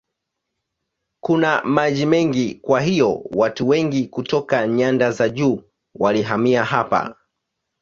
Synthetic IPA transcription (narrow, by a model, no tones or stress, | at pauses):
kunamaʄimɛŋɡikwaɦijɔwatuwɛŋɡikutɔkaɲandazaʄuː | waliɦamiahapa̰